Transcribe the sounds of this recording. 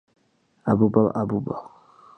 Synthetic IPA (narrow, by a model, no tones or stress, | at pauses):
abuba̰ʔabuba